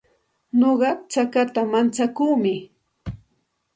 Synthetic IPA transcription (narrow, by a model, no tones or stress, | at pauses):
noɢɑt͡ʃakat̪amant͡ʃakuːmɪ